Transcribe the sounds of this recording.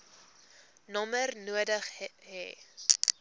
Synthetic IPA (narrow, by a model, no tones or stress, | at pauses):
nɔmərnuədəχɦɛː